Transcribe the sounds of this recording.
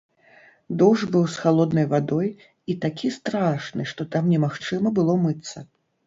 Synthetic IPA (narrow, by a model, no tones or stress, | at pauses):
d̪ɔʐbɨwsxalˠɔd̪nɐjvad̪ɔj | it̪akʲist̪ɾaʂnɨʂt̪ɔt̪amnʲɛmaxt͡ʂɨmɐbɨlˠɔmɨt̪sːɐ